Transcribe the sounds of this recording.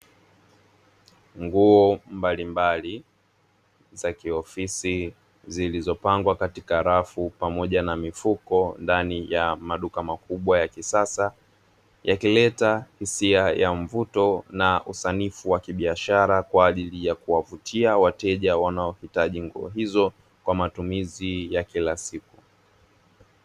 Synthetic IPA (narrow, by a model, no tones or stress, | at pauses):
ŋɡuɔmbalimbali | zakiɔfisi | zilizɔpaŋɡwakatikaɾafupamɔʄanamifukɔndanijamaɗukamakuɓwajakisasa | jakilɛtahisiajaɱvutɔnaʔusanifuwakiɓiaʃaɾakwaːʄilijakuwavutʰiawatɛʄawanaɔhitaʄiŋɡuɔ̰ɦizɔ | kwamatumizijakilasiku